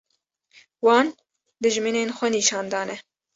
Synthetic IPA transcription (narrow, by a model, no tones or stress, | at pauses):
wɑːn | d̪ɨʒmineːnxʷɛniːʃɑːnd̪ɑːnɛ